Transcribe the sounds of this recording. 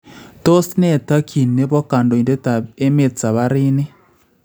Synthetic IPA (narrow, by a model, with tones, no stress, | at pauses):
to˦snɛ˦˨ta˦kʰi˨nːe˦βɔ˦ka˨ndo˨i˨nde˦ta˨e˦me˨t͡sa˨βa˦ɾiː˦ne˦